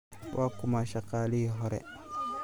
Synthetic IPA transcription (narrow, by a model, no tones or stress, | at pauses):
pakumaʃakaliɦɔɾɛ̰